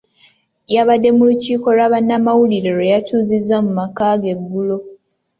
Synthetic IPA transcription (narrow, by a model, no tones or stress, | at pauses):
jaβadːe̞muluciːko̞lwaβanːamawuliɾeɾejatuːzizamumakaɡe̞ɡːulo̞